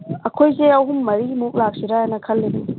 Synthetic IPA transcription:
ɐkʰojzeawɦumːɐɾimuk̚lak̚siɾajanɐkʰɐlːedu

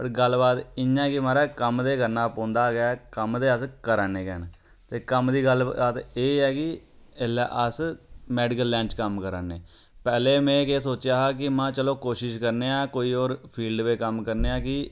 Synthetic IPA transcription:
pəʈɡəlbaːt̪ɪɲãːkɪmaːɾaːkəmd̪eːkəɾnaːpɔ̃ːnd̪aːɡɪaːkəmd̪eːəskəɾənẽːkɛn | t̪eːkəmd̪iːɡəlaːt̪eːɛːkɪelɛ̰ːʔəsmɛːɖɪkəlːɛ̃ːnt͡ʃkəmkəɾənːeː | pɛːleːmɛ̃ːkeːsoːt͡ʃaːɦaːk̬ɪmãːt͡ʃəloːkoːʃɪʃkəɾneːãːkoːiːoːɾpʰiːlɖʋeːkəmkəɾneːaːkɪ

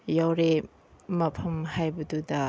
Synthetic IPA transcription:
jawɾe | mɐpʰɐmhajbɐdudɐ

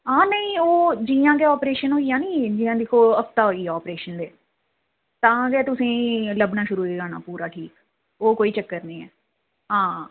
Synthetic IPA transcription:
ãːnəĩːoːd͡ʒiːãːɡɛːɔːpɾeːʃənɦoːijãːnĩːd͡ʒiːãːd̪ɪkʰoːəft̪aːɦoːiːɛɔːpɾeːʃənd̪eː | t̪ãːɡɛːt̪ʊsĩːləbnaːʃʊɾuːeːɡaːna̰ːpuːɾaːʈʰiːk | oːkoːiːt͡ʃəkːəɾniːɛ̰ː | ɦãː

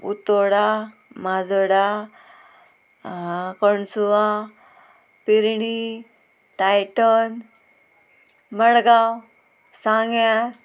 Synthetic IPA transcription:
ṵt̪oɽa | mad͡zɔɽa | kɔɳsua | piɾɳi | ʈajʈon | məɽɡaw | sãŋɡja

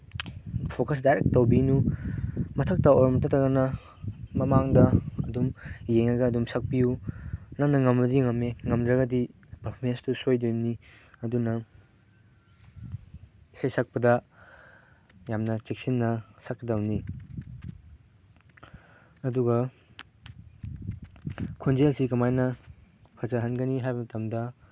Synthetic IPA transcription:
pʰokɐs̬dajɾek̚tːɐwbinu | mɐtʰɐk̚tɐoɾɔmɐtɐtɐɡɐnɐ | mɐmaŋdɐɐdumjeŋɐɡɐːdumsɐk̚pijunaknɐŋɐmbɐdiŋɐmeŋɐmdɾɐɡɐdi | pɐpʰomenstusojdini | ɐdunɐ | isajsak̚pɐdɐ | jamnɐt͡ʃek̚sinːɐsak̚ɐdawni | ɐduɡɐ | kʰonzelsikɐmajnɐ | pʰɐzaɦɐnɡɐniɦajbɐmɐtɐmdɐ

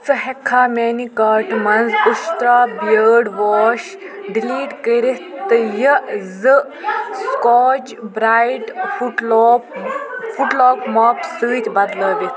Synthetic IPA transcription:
sɨɦɛkʰːaːmeːnikaːɾʈmɐnzuʃt̪ɾaːbjəːɖʋoːʃ | ɖiliːʈkəɾit̪ɨjəzɨ | skoːt͡ʃ | bɾaːjʈuʈː | fuʈloːkmɐːpsɨːt̪ʲbɐd̪ləːbi

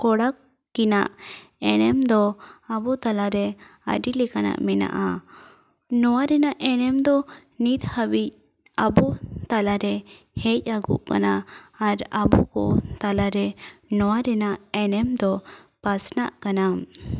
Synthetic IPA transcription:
kɔɽakː | ina̰ʔɛnɛmd̪ɔabɔt̪alaɾɛa̰ɖilɛkana̰ʔmɛna̰ʔa | nɔwaɾɛnaʔɛnɛmd̪ɔ | nit̪habic̚ | abɔt̪alaɾɛ | hɛc̚ˀaɡṵʔka̰naːɾabukɔ̰t̪alaɾɛnɔwaɾɛnaʔɛnɛmd̪ɔ | pasna̰ʔkanam

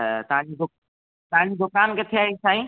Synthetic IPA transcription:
t̪ɐʋãɲd͡ʑid̪ʊ | t̪ɐʋãɲd͡ʑid̪ʊkaːnket̪ʰijaːɦisaːĩː

